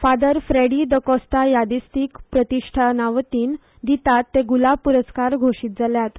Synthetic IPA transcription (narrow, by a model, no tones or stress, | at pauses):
fad̪əɾfɾeɽid̪əkɔst̪ajad̪ist̪iːkpɾət̪iʂʈʰanaʋt̪iːn | d̪it̪at̪ːeɡulapuɾəskaɾɡʱoʂiːt̪̚d͡zaljat̪